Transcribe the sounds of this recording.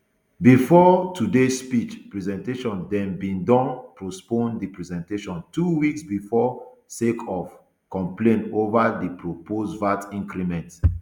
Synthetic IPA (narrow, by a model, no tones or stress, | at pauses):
bifɔtʰudespit͡ʃpɹɛzɛ̃nteʃɔ̃ndɛ̃nbĩndɔ̃npɹospõndipɹɛzɛ̃nteʃɔ̃ntuwiksbifɔ | sekʰɔf | kɔ̃mplẽnovadipɹopʰosvatĩŋkɾimɛ̃nt